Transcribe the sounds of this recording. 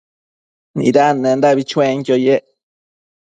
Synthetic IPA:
nḭ̃d̪anẽnd̪aβit͡ʃwẽŋkʲjojeʔ

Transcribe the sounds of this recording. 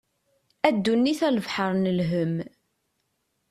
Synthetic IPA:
æd̪ːunːiθæləvħəɾˤnəlɦəm

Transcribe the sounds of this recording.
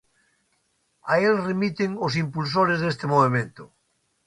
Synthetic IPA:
aelremit̪eŋos̬impuls̬oɾezðest̪emoβ̞emẽnt̪o

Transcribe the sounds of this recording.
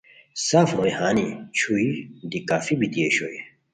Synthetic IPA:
safɾɔjhaːnit͡ʃʰuid̪ikaːfibit̪ieʃoj

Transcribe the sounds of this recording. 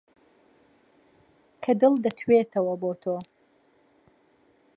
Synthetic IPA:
kʰɐd̪ɨlˠd̪ɐt̪ʰwet̪ʰɐwɐboːt̪ʰoː

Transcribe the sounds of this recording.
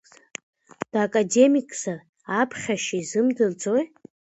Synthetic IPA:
d̥akʼade̞mikʼz̥ar | apʰχʲaʃizɨmdɨld͡zʼoj

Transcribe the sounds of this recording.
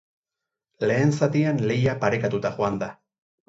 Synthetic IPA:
le̞ːnsat̪ianle̞japaɾe̞kat̪ut̪axoand̪a

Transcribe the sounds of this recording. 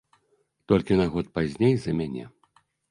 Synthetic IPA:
t̪ɔlʲkʲinaɣɔt̪̚pazʲnʲejzɐmʲanʲɛ̰

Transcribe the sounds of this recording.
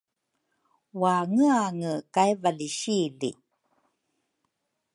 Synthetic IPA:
waŋəaŋəkajvaliɕilḭ

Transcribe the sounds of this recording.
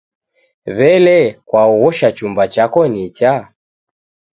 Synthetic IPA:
βɛlɛkwauɣɔʃat͡ʃumbat͡ʃakɔnit͡ʃa

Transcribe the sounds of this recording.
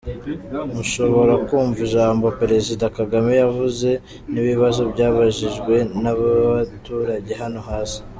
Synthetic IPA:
muʃo̞βo̞ɾakuːɱvuʒaːmbo̞peɾe̞zidakaɡamejavuze̞ | niβiβazo̞bɟaːβaʒiʒɡwe̞naβaatuːɾaɟe̞ɦano̞ɦaːsi̥

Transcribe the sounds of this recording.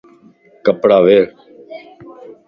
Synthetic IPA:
kəpɽaːʋeːɽ

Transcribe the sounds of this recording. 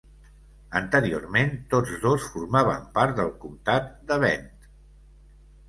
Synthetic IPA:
ənt̪əɾio̰rment̪od͡zðosfuɾmaβəmpaɾt̪d̪əlˠkumt̪at̪̚d̪əβɛnt̪

